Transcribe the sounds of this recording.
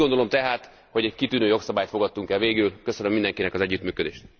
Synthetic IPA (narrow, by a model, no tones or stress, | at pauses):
ond̪o̞lomt̪ɛɦaːt̪ | ho̞ɟɛckit̪yːnøːjo̞ksɒbaːjt̪fo̞ɡɒt̪ːuŋkɛlveːɡylkø̞sønømind̪ɛŋkinɛkɒzɛɟːyt̪myːkø̞d̪eːʃt̪